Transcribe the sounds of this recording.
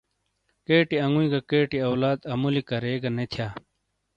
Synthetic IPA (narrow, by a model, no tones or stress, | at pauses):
keːʈiɐŋɡuĩːɡakeːʈiɐwlaːd̪ɐmulikɐɾeːɡanet̪ʰjaː